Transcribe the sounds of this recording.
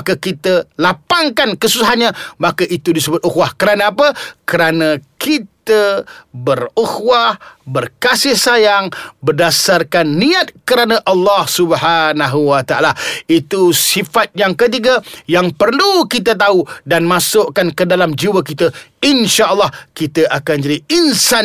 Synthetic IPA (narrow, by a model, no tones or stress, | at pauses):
kakit̪əlapaŋkankəsusaɦanɲãmakaʔit̪udisəbʊt̪̚ʔuxwahkəɾanãapəkəɾanãkit̪əbəruxwahbərkasɪhsajaŋbədasarkanːiat̪̚kəɾanãʔɑlːɑhsubəhanaɦuwat̪aʔa̰lait̪usifat̪̚jaŋkət̪̬iɡajaŋpərlukit̪̬ət̪̬audanmãsʊʔkankədalamd͡ʒiwək̬it̪əinʃaʔəlːɑhkit̪əʔakand͡ʒadiinsan